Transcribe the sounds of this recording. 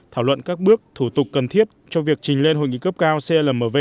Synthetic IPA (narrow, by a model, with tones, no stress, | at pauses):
t̪ʰaː˧˩wlwə̰˧˨nkaː˦˥k̚ɓɨ˦˥ək̚t̪ʰu˧˩t̪ʊ˨˩k͡p̚ːə˨˩nt̪ʰi˦˥əp̚t͡ɕɔ˧vi˨˩ək̚t͡ɕï˨˩ŋ̟le˧nɦo̰˧˨jŋḭ˧˨kə˦˥p̚kaː˧wse˧ləː˨˩məː˨˩ve˧